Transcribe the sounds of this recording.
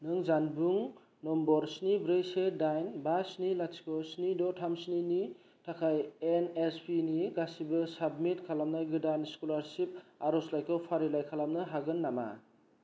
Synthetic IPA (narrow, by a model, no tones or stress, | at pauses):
nɯŋzanbuŋ | nɔmbɔɾsnibɾejsedajnbasnilasi̥kʰɔsnidɔtʰamsnini | tʰakʰajenespiniɡasibɯsab̚mitkʰalamnaɡɯdanskulaɾsip̚aɾɔslajkʰɔwpʰaɾilajkʰalamnɯɦaɡɯnːama̰